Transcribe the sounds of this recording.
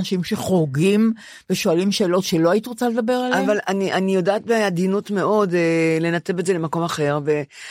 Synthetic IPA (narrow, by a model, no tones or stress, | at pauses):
naʃimʃe̞χoɡim | v̥eʃo̞alimʃe̞ːlo̞tʃe̞lo̞ajit̪iʁot͡sale̞d̪abe̞ʁalavalaniʔanijo̞daːt̚bead̪inutme̞o̞dele̞nate̞betze̞lemako̞maχe̞ʁve̞